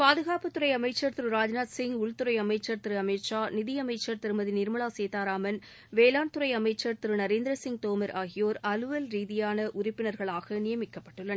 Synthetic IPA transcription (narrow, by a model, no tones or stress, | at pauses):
paːðɯɣaːpɯt̪ːɯɾɐɪɐmɐɪt͡ʃːɐɾt̪ɪɾɯɾaːd͡ʒnaːt̪sɪŋʊɭt̪ɯɾɐɪɐmɐɪt͡ʃːɐɾt̪ɪɾɯɐmɐɪʈt͡ʃaːnɪðɪjɐmɐɪt͡ʃːɐɾt̪ɪɾɯmɐðinɪɾmɐɭaːseːt̪aːɾaːmɐn | ʋeːlaːɳt̪ɯɾɐɪɐmɐɪt͡ʃːɐɾt̪ɪɾɯnɐɾeːnd̪ɾɐsɪŋɡ̚t̪oːmɐɾʔaːɣɪjoːɾɐlɯʋɐlɾiːðɪjaːnɐʔʊɾɪpːɪnɐɾɣɐɭaːɣɐnɪjɐmɪkːɐpːɐʈːɯɭːɐn